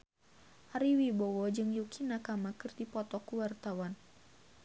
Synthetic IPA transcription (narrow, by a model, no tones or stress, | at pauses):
ʔaɾiwibɔwɔd͡ʒɨŋjukinakamakɨrdipɔt̪ɔkuwart̪awan